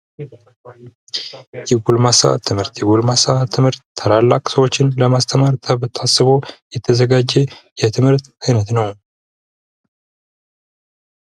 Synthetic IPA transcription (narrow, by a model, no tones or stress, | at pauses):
jɛɡulmasa̰t̪ʰɨmhɨɾt̪jɛɡulmasat̪ʰːɨmhɨɾt̪ʰːəlalːakʼsəwo̞t͡ʃːɪnləmast̪ʰəmaɾt̪ʰət̪ʰasːɨβo̞jɛt̪ʰːəzəɡad͡ʒːɛjɛt̪ʰɨmhɨɾt̪ajnət̪nəw